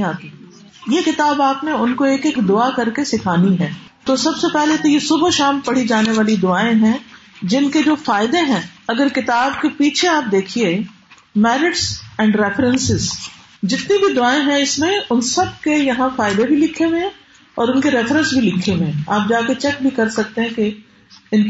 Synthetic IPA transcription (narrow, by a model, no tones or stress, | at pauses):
ĩaːt̪i | jekɪt̪aːbaːpneʊnkoeːkekd̪ʊakɐɾkesɪkʰaːniɦɛ̃ːt̪osɐbsepɛɦlet̪ojesʊbʱʃaːmpɐɽ̤id͡ʒaːneʋaːlid̪ʊaːẽɦɛ̃d͡ʒɪnked͡ʒoːfaːɪd̪eɦɛ̃ɐɡəɾkɪt̪aːbkepiːt͡ʃʰeaːp̚d̪eːkʰie | mɛːɾɪʈsɛ̃ːɳɖɾɛːfɾə̃nsɪz | d͡ʒɪt̪nibʱid̪ʊaːẽɦɛ̃ɪsmẽʊnsɐb̚kejɐɦãfaːɪd̪ebʱilɪkʰːewẽɛ | ɔːɾʊnkeɾɛːfɾə̃nsbʱilɪkʰːewẽɛ̃aːp̚d͡ʒaːket͡ʃɛk̚bʱikɐɾsɐk̚t̪ẽɦɛ̃ke | ɪn